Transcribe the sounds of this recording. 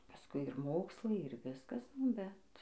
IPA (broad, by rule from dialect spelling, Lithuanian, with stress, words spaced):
pɐsˈkʊɪ ɪr ˈmoːkslˠɐɪ ɪr ˈʋʲɪskɐs nʊ ˈbʲɛt